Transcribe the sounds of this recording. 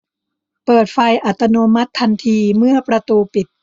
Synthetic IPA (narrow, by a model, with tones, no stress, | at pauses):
pɤː˨˩t̪̚fa˧jʔa˨˩t̪ːa˧noː˧ma˦˥t̪ʰːa˧nt̪ʰiː˧mɯ˥˩ɐpɾa˧t̪uː˧pi˨˩t̪̚